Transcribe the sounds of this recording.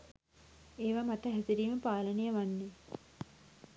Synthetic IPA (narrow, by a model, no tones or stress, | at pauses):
eːʋamat̪əɦæsiɾiːməpaːlənejəʋanːe